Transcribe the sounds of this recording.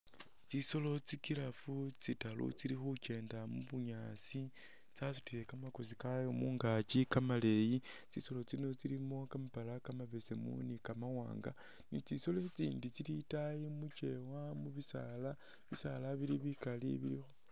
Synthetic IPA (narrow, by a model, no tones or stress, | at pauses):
t͡siso̞lo̞t͡sikiɾafut͡sitalṵt͡silixut͡ʃe̞ːndamuβuɲaːsi | t͡sasu̥tile̞kamakos̬ikajomuːŋɡat͡ʃikamale̞jit͡siso̞lo̞t͡sino̞t͡silimo̞kamapalakamaβese̞mṵnikamawa̰ːŋɡa̰ | nit͡siso̞let͡siːndit͡silitajimut͡ʃe̞wamuβisa̰la | βisa̰laβiɾiβikalḭβiɾixo